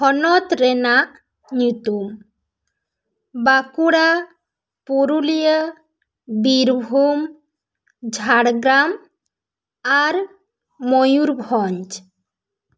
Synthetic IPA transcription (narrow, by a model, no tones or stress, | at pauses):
hɔnɔt̪ɾɛnaʔ | ɲut̪um | bakuɽa | puɾulijə | biɾbʱum | d͡ʒʱaɽɡɾam | aɾ | mojuɾbʱɔɲd͡ʒ